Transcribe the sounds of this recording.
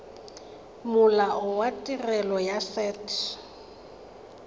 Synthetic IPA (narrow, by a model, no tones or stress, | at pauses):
mʊlaʔʊwatʼirɛlɔjasɛːtʰ